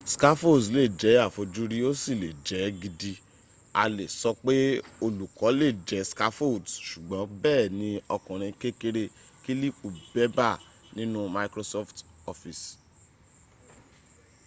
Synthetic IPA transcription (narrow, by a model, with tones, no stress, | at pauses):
ska˦fo˦˨sle˦˨d͡ʒɛ˨˦a˦˨fo˧d͡ʒu˦ɾi˦o˦si˦˨le˨d͡ʒɛ˨˦ɡi˧di˧ | a˧le˨sɔ˧k͡pe˦o˧lu˨kɔ˨˦le˦˨d͡ʒɛ˨˦ska˦fo˦˨dʃu˨ɡ͡bɔ̃˨˦bɛː˦˨nĩ˧˦ɔ˧kɔ̃˨ɾ̃ĩ˧ke˦ke˦ɾe˧ | ki˦li˦˨k͡pu˨bɛ˦ba˦˨ | nĩ˦nũ˦ma˧ikɾo˧sɔ˦ftɔ˧fi˨s